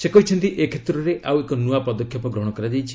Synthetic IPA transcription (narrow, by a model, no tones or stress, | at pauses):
sekɔɦit͡ʃʰɔnt̪iʔekʰet̪ɾɔɾeʔʔawekɔnuapɔd̪ɔkʰːjɔpɔɡɾɔɦɽ̃ɔkɔɾad͡ʒajt͡ʃʰi̥